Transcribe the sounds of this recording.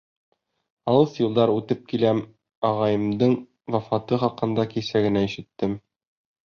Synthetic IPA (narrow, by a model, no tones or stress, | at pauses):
ɒlˠɤsjulˠd̪ɑɾʉt̪ɘp̚kilæm | ɒʁɑjɤ̆md̪ɤɴ | vɒfɑt̪ɤχɒqɤ̆nd̪ɑkisæɡɘ̆næiɕɘ̆t̪ːɘm